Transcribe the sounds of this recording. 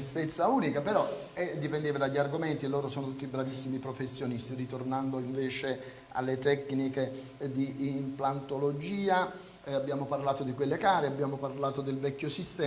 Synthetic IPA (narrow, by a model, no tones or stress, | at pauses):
ist̪et̪sːauːnikapeɾɔ | ɛd̪ːipɛnd̪eːvad̪aʎːiarɡoment̪ilːoːɾosoːnot̪ut̪ːibɾavisːimipɾofesːjonist̪irit̪ornand̪oiɱvɛːt͡ʃe | a̰lːet̪ɛknike | d̪iːmplant̪olod͡ʒiːa | abːjaːmoparlaːt̪od̪ikwelːekaːɾeabjaːmoparlaːt̪od̪elvɛkːjosist̪ɛː